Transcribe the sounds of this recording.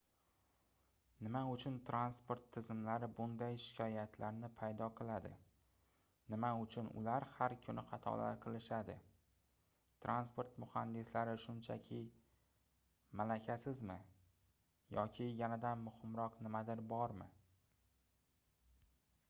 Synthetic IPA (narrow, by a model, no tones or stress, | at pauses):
nɪmaʊt͡ʃʰʊnt̪ʰɾanspoɾt̪ʰːɪzɪmlaɾɪbʊnd̪ajʃɪ̥kʲʰɒjat̪ʰlaɾnɪpʰajd̪ɒqʰɨlˠad̪ɪ̰ | nɪmaʊt͡ʃʰʊnʊ̰laɾhaɾkʰʊnʔɪχɑt̪ʰɒ̰la̰ɾqʰɨlˠɪʃad̪ɪ̰ | t̪ɾʔanspoɾt̪mʊhand̪ɪslaɾɪʃʊnt͡ʃʰa̰kʲʰɪ | malakʲʰasɪzmɪ | jɒkʲʰɪjanad̪anmʊhɪmɾɒqnɪmad̪ɪɾbɒɾmɪ̰